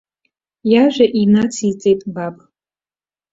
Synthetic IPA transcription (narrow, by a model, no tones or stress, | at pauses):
jaʒᶣʷaʔinat͡sʰit͡sʼejtʼbapʼ